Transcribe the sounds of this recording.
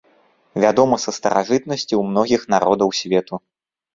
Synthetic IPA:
vʲad̪ɔmɐsɐst̪ɐ̰ɾa̰ʐɨt̪nɐsʲt͡sʲiwmnɔɣʲixnaɾɔd̪ɐwsʲvʲɛt̪u

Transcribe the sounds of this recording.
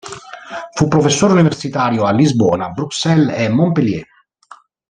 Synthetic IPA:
fupːɾofesːoːɾuniversit̪aːɾjoalːizbɔ̰ːnabɾuksɛlɛmːompeljɛ̰

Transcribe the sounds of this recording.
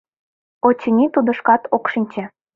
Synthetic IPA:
ot͡ɕ̆nʲit̪ud̪ɤ̆ʃkɑt̪okʃinʲt͡ɕĕ

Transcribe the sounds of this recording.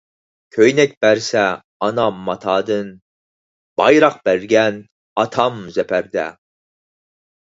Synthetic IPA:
kʲʰøjnɛk̚ʲb̥æɾsɛ | ɑnɑmɑt̪ʰɑd̪ɨn | b̥ɑjɾɑq̚b̥æɾɡʲɛn | ɑt̪ʰɑmzɛpʰæɾd̪ɛ̰

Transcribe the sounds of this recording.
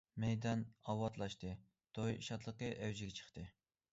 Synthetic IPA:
mɛjd̪ɑnɑwɑt̪lˠɑʃt̪ɨ | d̪̥ojʃɑt̪lˠəqəʔɛwd͡ʒɪɡʲɛt͡ʃʰə̥χt̪ɨ

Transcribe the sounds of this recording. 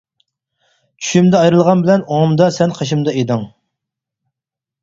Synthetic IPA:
t͡ʃʰy̥ʃymd̪ɛɑjɾɨlˠʁɑnbɪlɛnomd̪ɑsɛnqʰɑʃ̬imd̪ɑed̪ɨŋ

